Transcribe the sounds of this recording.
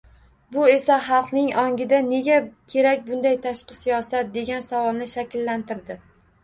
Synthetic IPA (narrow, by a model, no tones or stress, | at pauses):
bʊe̞saχɑlˠqnɪŋɒŋɡʲɪd̪ane̞ɡʲakʲʰe̞ɾak̚ʲbʊnd̪ajt̪ʰaʃqɨsijɒsat̪̚d̪e̞ɡʲansavɒlˠnɪʃakʲɪlːant̪ɪɾd̪ɪ